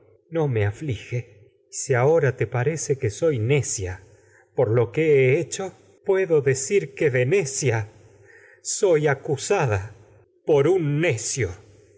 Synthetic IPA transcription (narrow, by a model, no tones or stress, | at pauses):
no̞meaflixe | siao̞ɾat̪e̞paɾe̞sekeso̞jne̞sja | poɾlo̞keeet͡ʃo̞ | pwe̞ðo̞ðe̞siɾkeðene̞sja | so̞jakusaða | po̞ɾunːe̞sjo